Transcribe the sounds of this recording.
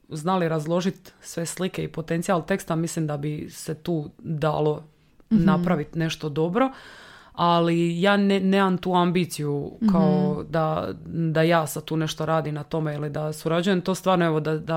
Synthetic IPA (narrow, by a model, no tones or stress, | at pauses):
znaliɾazlˠo̞ʒit̪sʋe̞slike̞ipo̞t̪e̞nt̪sialˠt̪e̞kst̪amislimd̪abiset̪uːd̪a̰ːlˠo̞ | napɾaʋit̪ne̞ʃt̪od̪o̞bɾo̞ | alijaːneneːmamt̪uːambiːt̪sijukaod̪ad̪ajaːsad̪̚t̪uːne̞ʃt̪oɾaːd̪imnat̪o̞me̞ilid̪asuɾad͡ʑuje̞mt̪o̞ːst̪vʋaːɾnoeʋo̞d̪ad̪a